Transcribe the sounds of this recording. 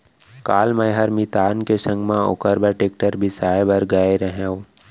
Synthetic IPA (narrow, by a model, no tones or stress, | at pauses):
kaːlməjɦɐɾmit̪aːnkesə̃ŋɡmãʊ̰kəɾbəʈeːk̚ʈəɾbʱisaːebɐɾɡɐeɾəɦẽõ